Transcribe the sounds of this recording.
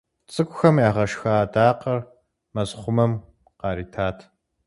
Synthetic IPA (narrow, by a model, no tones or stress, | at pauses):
t͡sʼɨkʷʊxɐmjaːʁɐʂxaːtʼaːqɐr | mɐzχʷʊmɐm | qɑːɾiːtʰaːtʰ